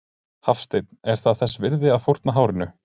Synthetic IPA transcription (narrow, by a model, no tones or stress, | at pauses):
hafst̪ejt̪nɛɾ̥θaðθɛsvɪɾðɪaðfowɾ̥t̪naɦaːwɾɪnʏ